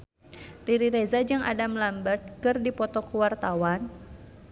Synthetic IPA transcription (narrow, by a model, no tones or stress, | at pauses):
riɾiɾezad͡ʒɨŋʔa̰damlambat̪̚kɨrdipɔt̪ɔkuwart̪awan